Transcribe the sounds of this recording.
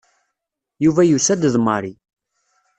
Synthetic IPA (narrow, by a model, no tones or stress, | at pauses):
juvæjusæd̪əðməɾi